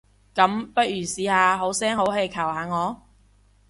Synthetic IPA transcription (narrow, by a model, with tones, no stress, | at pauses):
kɐ˨˥mpɐ˥t̚jyː˨˩siː˨˥haː˧ɦo˨˥wsɛː˥ŋho˨˥wɦe˧kʰɐ˨˩whaː˨˧ŋɔː˨˧